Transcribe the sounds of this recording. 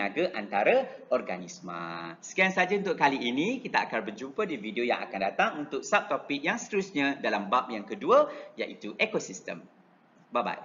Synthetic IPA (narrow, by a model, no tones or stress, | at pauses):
aɡaʔant̪aɾaɔrɡanismã̰sə̥kijaŋsad͡ʒaunt̪ʊʔ̚kaliinĩkit̪aakarbərd͡ʒumpədividioja̰ŋa̰kandat̪aŋunt̪ʊk̚sap̚t̪opik̚jaŋsət̪əɾusɲãdalambap̚jaŋkəduəjaʔit̪uʔekosist̪ə̰m | baba̰j